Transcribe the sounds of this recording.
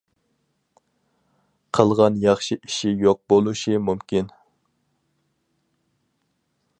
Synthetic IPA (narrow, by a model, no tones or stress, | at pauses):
qʰəlˠʁɑnjɑχʃiʔiʃijoq̚bolˠuʃimumkʲin